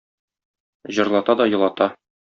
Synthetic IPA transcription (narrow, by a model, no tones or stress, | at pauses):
ʑɤ̆ɾlˠɑt̪ɑd̪ɒjɤ̆lˠɑt̪ɑ